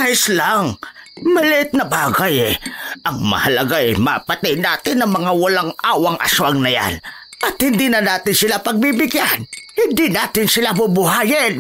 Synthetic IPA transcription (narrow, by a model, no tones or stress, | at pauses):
kaʔɪslaŋ | mɐlɪʔɪt̪̚nɐbaːɡajɛʔɐŋmɐ̰hɐlɐɡaʔɛma̰pɐt̪ɪnaːt̪ɪnːɐŋmɐŋawɐlaŋʔaːwɐŋʔɐ̰swaŋnɐja̰n | ʔɐt̪̚hɪnd̪inɐnaːt̪ɪnsɪlapɐɡ̚bibɪɡjanhɪnd̪inaːt̪ɪnsɪlabʊbʊɦaːjɪn